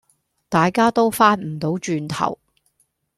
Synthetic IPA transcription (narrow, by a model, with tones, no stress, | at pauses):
t̪aː˨jkaː˥t̪o˥wfaː˥t̚m̩˨˩t̪o˨˥wt͡ʃyː˧nt̪ʰɐ̰˨˩w